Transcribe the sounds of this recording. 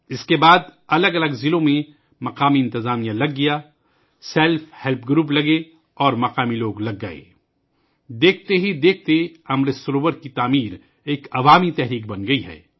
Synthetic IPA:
ɪskebaːd̪ɐləɡɐləɡzɪlõmẽ | mɐqaːmiɪ̃nt̪ɪzaːmijãlɐɡːijaː | sɛːlfhɛlp̚ɡɾuːp̬lɐɡe | ɔːɾmɐqaːmiloːɡlɐɡːɐ̰ḛː | d̪eːk̚ʰt̪eɦid̪eːk̚ʰt̪eɐmɾesɾoːʋəɾkit̪aːmiːɾ | eːkɐʋaːmit̪ɛɦɾiːk̚bɐnɡɐiɦɛ̰ː

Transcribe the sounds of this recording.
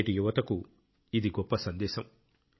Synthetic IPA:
ʈijuʋɐt̪ɐku | id̪iɡɔpːɐsɐnd̪ɛːsɐm

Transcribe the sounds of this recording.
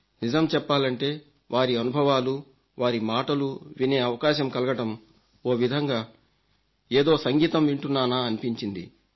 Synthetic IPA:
nid͡ʒɐmt͡ʃɛpːaːlɐɳʈe̞ː | ʋʔaːɾiɐnubʱɐʋaːlu | ʋaːɾimaːʈɐluʋine̞ːɐʋɐkaːʃɐmkɐlɐɡɐʈɐm | o̞ːʋid̪ʱɐŋɡaː | eːd̪o̞ːsɐŋɡiːt̪ɐmʋiɳʈunːaːnaːɐnipiɲt͡ʃind̪ḭ

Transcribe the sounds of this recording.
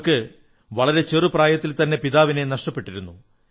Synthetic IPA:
kɨ | ʋɐɭɐɾe̞t͡ɕerɨpraːjɐt̪ːilt̪ɐnːe̞piðaːʋine̞nɐʂʈɐpːe̞ʈːiɾunːu

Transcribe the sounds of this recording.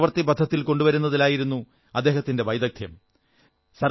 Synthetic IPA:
ʋɐrt̪ːibɐd̪ʱːɐt̪ːilko̞ɳɖuʋɐɾunːɐðilaːjiɾunːu | ɐd̪ːeːɦɐt̪ːinde̞ʋɐjd̪ɐk̚t̪ʰjɐm | sɐr

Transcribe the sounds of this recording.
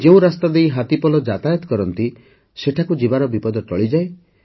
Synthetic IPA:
d͡ʒeũɾast̪ad̪ejɦat̪ipɔlɔd͡ʒat̪ajɔt̪kɔɾɔnt̪i | seʈʰakud͡ʒibaɾɔbipɔd̪ɔt͡ʃɔɭid͡ʒae

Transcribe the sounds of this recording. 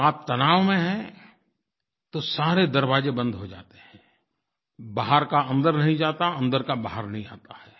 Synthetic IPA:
aːp̚t̪ɐnaːʋmẽɦɛ̃ | t̪osaːɾed̪ɐɾbaːd͡ʒebɐ̃nd̪ɦod͡ʒa̰ːt̪eɦɛ̃ː | baɦəɾkaɐ̃nd̪əɾnɐɦĩd͡ʒaːt̪aɐ̃nd̪əɾkabaːɦəɾnɐɦĩa̰ːt̪aɦɛː

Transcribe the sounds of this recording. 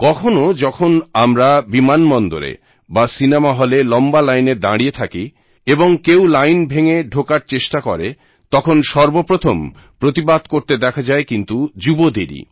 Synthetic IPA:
kɔkʰonod͡ʑɔkʰonamɾabimanmɔnd̪oɾḛ | basinemaɦɔlelɔmbalajneɾd̪aɽiet̪ʰaki | eboŋkewlajnbʱeŋeɖʱokaɾt͡ɕeʃʈakɔɾe | t̪ɔkʰonʃɔɾbopɾot̪ʰom | pɾot̪ibad̪koɾt̪ed̪ɛkʰad͡ʑaekint̪ud͡ʑubod̪iɾḭ

